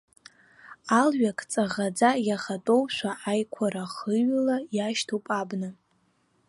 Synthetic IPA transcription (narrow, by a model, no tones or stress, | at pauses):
alɥakʼt͡sʼaʁad͡zajaχatʼowʃʷaʔajkʷʰaɾaχəɥlajaʃtʰopʼabnɨ